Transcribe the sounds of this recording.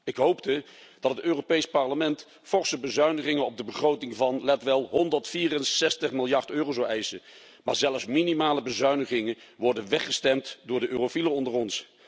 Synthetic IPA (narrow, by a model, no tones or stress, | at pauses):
ɪkɦowptəd̥ɑtətøːropejspɑɹləmɛnt | fɔɹsəbəzœɥnəχɪŋənɔb̚dəbəχrowtɪŋvɑnlɛtʋɛlˠɦɔndəɹtfiːrənsɛstəχmɪlˠjɑɹtøːrowzɔwɛjsə | maːɹzɛləfsminimaːləbəzœɥnəχɪŋənʋɔɹdənʋɛχəstɛmtdʊːɹdəʔøːrofilərɔndərɔns